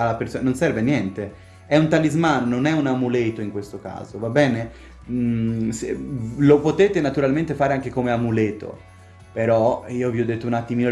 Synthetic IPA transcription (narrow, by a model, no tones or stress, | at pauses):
alːapeɾsononsɛɾvenjɛnt̪e | ɛunt̪alizmaːnononɛunamulet̪oiŋkwest̪oka̰ːzovabɛːne | slopot̪eːt̪enat̪uɾalment̪efaːɾeaŋk̟ekomeamuleːt̪o̰ | peɾɔiːoviɔd̪ːet̪ːounat̪ːimiːno